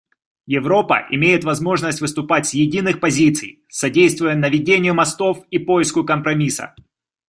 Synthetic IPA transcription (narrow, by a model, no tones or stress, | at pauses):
jɪvɾo̞pə̰ʔɪmʲejɪt̪vɐzmo̞ʐnəsʲtʲvɨst̪ʊpatʲsʲjɪdʲinɨxpɐzʲit̪sɨ̰j | sɐdʲejst̪vʊjənəvʲɪdʲenʲɪjʊmɐst̪o̞fipo̞jɪskʊkəmpɾɐmʲisə̰